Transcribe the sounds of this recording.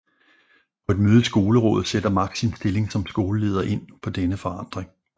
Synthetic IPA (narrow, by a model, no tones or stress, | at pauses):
pʰɒ̽e̝d̥møːð̞̩ˠsɡ̥o̝ːləʁɔ̰̽ːð̩ˠsed̥ɐmɑ̈ɡ̥siensd̥e̝le̝ŋsɒ̽msɡ̥o̝ːləle̝ːð̞ˠɐʔe̝n̰pʰɒ̽d̥enəfɒ̽ɑ̈n̰d̥ʁeŋ